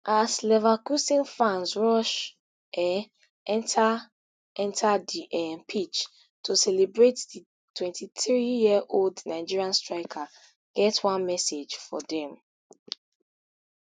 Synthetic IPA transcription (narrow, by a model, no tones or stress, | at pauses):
ʔaslɛvakusĩnfãnzɹɔʃ | ɛ | ɛ̃ntʰa | ɛ̃ntʰadiʔɛmpʰit͡ʃ | tʰosɛlebɹetdi | tʰwɛ̃ntʰiθɹijiəʔoldnaɪd͡ʒiɹiãnstɹaɪkʰa | ɡ̥ɛtwãnmɛsed͡ʒfɔ̰dɛ̃m